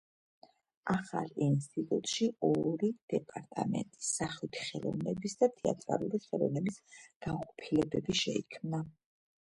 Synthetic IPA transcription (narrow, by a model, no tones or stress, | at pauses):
aχa̰lˠinst̪ʼit̪ʼut̪ʼʃiɔɾid̪̥ɛpʼaɾt̪ʼamɛ̰nt̪ʼi̥saχit̪ʰi̥χɛlˠɔ̰vnɛbisd̪at̪ʰɛa̰t̪ʼɾalˠuɾiχɛlˠɔvnɛbisɡ̥aqʼɔpʰilɛbɛbiʃɛikʰmna